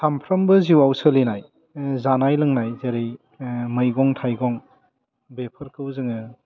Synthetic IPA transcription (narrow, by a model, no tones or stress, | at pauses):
sʰampʰɾɐmbɯziwawsɯlinaj | zanajlɯŋnajzeɾej | mɯjɡɔŋtʰajɡɔŋ | bepʰɯɾkɯwzɯŋɯ